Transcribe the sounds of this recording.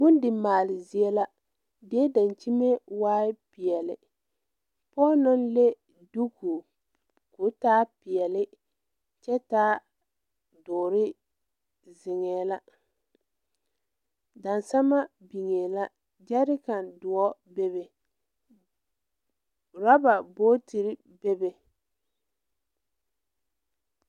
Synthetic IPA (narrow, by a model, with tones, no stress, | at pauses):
bʊ˦ndɪ˨maː˨lɪ˨zɪ˨ɛ˦la˦ | dɪ˦ɛ˦da˨nt͡ʃi˦me˦waː˦ɪ˦pɪ˨ɛ˨lɪ̰˨ | pɔː˦nɔ˦nle˦ | du˦ku˨ | kʊ˨˦taː˦pɪ˨ɛ˨lɪ˦ | t͡ʃɛ˦taː˦ | dʊː˨ɾɪ˦ | zɪ˨ŋɛː˨la˦ | da˨nsa˦ma˦bi˨ŋeː˨la˦ | d͡ʒɛ˦ɾɪ˦ka˨ndʊ˨ɔ˦be˦be˨ | ɾa˦ba˨boː˦ti˨ɾɪ˦ | be˦be˨